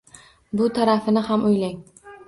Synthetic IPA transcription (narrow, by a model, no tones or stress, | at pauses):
bʊt̪ʰaɾafɪnɪhamʔʊjlaŋ